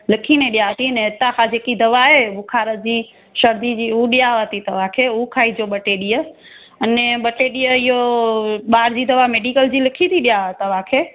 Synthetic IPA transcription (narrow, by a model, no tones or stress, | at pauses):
lɪkʰinɛ̃ɗijat̪ʰiənɛ̃ɪt̪ãkʰãd͡ʑeːkid̪ɐʋaɦeʊkʰaːɾəd͡ʑiː | ʃɐɾd̪id͡ʑiːuɗijaət̪it̪ɐʋ̤ãkʰeːʊkʰaːid͡ʑoɓɐʈeɗijə | ɐnɛɓɐʈeːɗijəɪɦo | ɓaːɾd͡ʑiːd̪ɐʋameːɖikəld͡ʑiːlɪkʰit̪ʰiɗijat̪əʋãkʰeː